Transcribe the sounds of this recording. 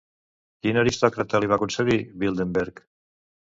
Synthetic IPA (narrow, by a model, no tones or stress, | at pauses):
kinaɾist̪ɔkɾat̪aliβakunseɣiβilˠd̪embeɾk